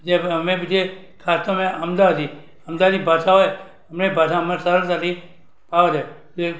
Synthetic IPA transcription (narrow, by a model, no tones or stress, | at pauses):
d͡ʒeəmebid͡ʒe | kʰast̪omẽəmd̪aət̪i | əmd̪ad̪ibʱaʃaɦoj | əmnebʱas̬aəmasəɾəɾt̪at̪i | paʋəd̪e | d͡ʒe